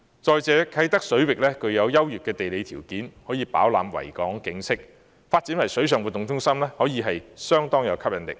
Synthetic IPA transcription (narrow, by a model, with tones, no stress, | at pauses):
t͡sɔː˨˧jt͡sɛː˨˧kʰɐ˨˥jt̪ɐ˥k̚sɵ˨˥ɥwɪ˨k̚lɛː˥kɵ˨˧ɥjɐ˨˧wjɐ˥wjyː˨t̚kːɛː˧t̪e˨jle˨˧jt̪ʰiː˨˩wkiː˨˥nhɔː˨˥jiː˨˧pa̰ː˨˥wlaː˨˧mwɐ̰˨˩jkɔː˨˥ŋkɪ˨˧ŋsɪ˥k̚ | faː˧t̚t͡siː˨˥nwɐ˨˩jsɵ˨˥ɥsœː˨˩ŋwu˨t̪ʊ˨˩ŋt͡sʊ˥ŋsɐ˥mlɛː˥hɔː˨˥jiː˨˧ɦɐ˨jsœː˥ŋt̪ɔː˥ŋjɐ˨˧wkʰɐ˥p̚jɐ˨˧nlɪ̰˨k̚